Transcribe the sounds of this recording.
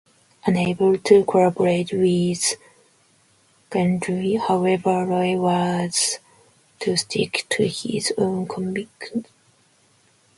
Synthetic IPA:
ʔə̃neɪbəltʰukʰɔɹabəɹeɪtwɪz̥ | ɡ̥æ̃ndɹihaʊɛvə˞ɹɔɪwʌz̥ | tʰustʰɪ̰ktʰuhɪ̰zõʊ̃nkʰɔmik

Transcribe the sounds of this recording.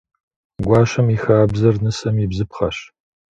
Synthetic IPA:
ɡʷɑːʃɐmixaːbzɐrnɨsɐmɪbzɨpχɐɕ

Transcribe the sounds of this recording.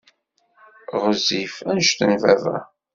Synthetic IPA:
ʁəzifænʃt̪ənvævæ̰

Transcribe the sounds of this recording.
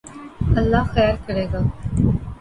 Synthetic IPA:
əlːaːxɛːɾkəɽeːɡaː

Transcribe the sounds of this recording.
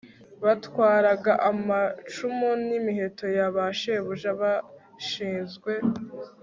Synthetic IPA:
βatwaːɾaɡaʔamat͡ʃumonimiɦe̞to̞jaβaʃeβuʒaβa | ʃiːnzɡwe̞

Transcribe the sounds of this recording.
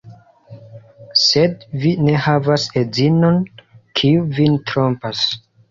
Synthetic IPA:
sedvine̞havasezino̞nkʰiuvintɾompas

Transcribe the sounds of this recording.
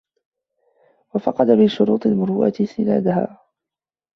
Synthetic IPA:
wafɑqɑd̪abɪʃːʊɾuːt̪ˤɪlmʊɾuːʔa̰t̪sɪna̰ːd̪aɦa̰ː

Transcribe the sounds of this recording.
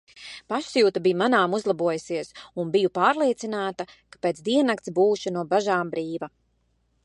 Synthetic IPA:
paʃsjuːt̪abijumanaːmuzlˠabuɔjusiɛsunbijupaːɾlˠiɛt̪sinaːt̪akḁpeːt̪sd̪iɛnakt̪sbuːʃinuɔbaʒaːmbɾiːva

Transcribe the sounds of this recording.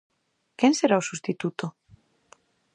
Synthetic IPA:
kɛnseɾaosust̪it̪ut̪o

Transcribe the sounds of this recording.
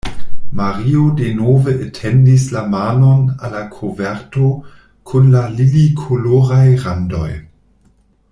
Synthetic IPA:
maʁiodenoveʔetʰendis̬lamaːnonalakʰoveɾto | kʰunlalilikʰoloʁajʁando̞̰j

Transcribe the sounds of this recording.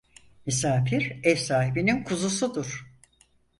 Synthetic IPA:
misaːfiɾɛfsaːɦibininkʰuzusud̪uɾ̥

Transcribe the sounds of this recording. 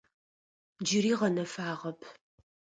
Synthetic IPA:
d͡ʒɪɾiːʁɐnɐfaːʁɐpʰ

